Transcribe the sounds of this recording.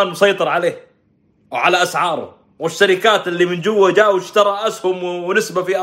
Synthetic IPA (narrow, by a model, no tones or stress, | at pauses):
nmʊsˤɑjt̪ˤɨɾˤʕaleːh | ʕalaʔasʕɑːɾˤʊ̰ | wɪʃːaɾɪkaːt̪ʔɪlːimɪnd͡ʒʊwːad͡ʒaːʔwɪʃt̪ɑɾˤɑʔashʊmwwnɪsbafiʔ